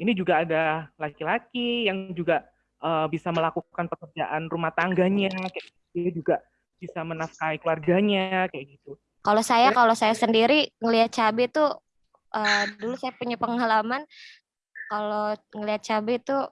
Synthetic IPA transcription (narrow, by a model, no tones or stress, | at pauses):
inid͡ʒuɡaːdalakilakijaŋd͡ʒuɡa | ʔəːbisaməlakukanpəkərd͡ʒaʔanrumaht̪aŋɡaɲakajaɡiiad͡ʒuɡa | b̥isamənafkaikluarɡaɲakajaɡit̪u | kalosajakalosajasəndiɾiŋəliat̪̚t͡ʃabɪt̪u | ʔədulusajapuɲapəŋɦalaman | kaloŋəliat̪̚t͡ʃabɪt̪u